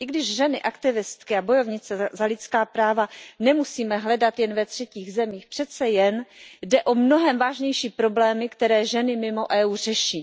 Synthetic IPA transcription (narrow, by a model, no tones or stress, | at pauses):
ʔɪɡdɪʒʒɛnɪʔakt̪ɪvɪst̪kɪabo̞jo̞vɲɪt͡sɛzalɪt͡skaːpɾaːvanɛmusiːmɛɦlɛdat̪jɛnvɛt̪r̝̥ɛciːɣzɛmiːxpr̥ɛt̪t͡sɛjɛndɛʔo̞mno̞ɦɛmvaːʒɲɛjʃiːpɾo̞blɛːmɪkt̪ɛɾɛːʒɛnɪmɪmo̞ʔɛːuːr̝ɛʃiː